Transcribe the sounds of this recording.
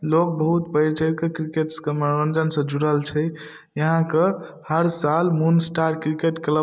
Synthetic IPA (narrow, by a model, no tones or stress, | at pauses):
lok̚bəɦut̪pəɾt͡ʃəɾkekɾikeʈskəməɾənd͡ʒənsə̃d͡ʒuɽəlt͡ʃʰɛ | jəɦãkə | həɾsalmunsʈaɾkɾikeʈklə